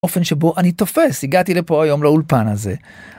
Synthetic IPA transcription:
ofe̞nʃebo̞ʔanit̪o̞fe̞shiɡat̪ilepo̞ajo̞mlaulpanaze̞

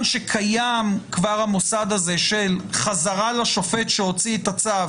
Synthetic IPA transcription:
nʃekʰajamkvaʁhamosad̪aze̞ʃelχazaʁalaʃo̞fetʃeo̞t͡siet̪at͡sav

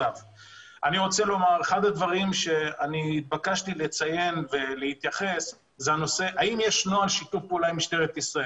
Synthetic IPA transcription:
av | aniʁo̞t͡selo̞maʁeχad̪ad̪vaʁimʃe̞aniːt̪̚bakaʃtilet͡saje̞nve̞lehit̪jaχe̞s | zeano̞se̞ʔaimjeʃno̞alʃit̪ufpulajmiʃt̪eʁet̪isʁae

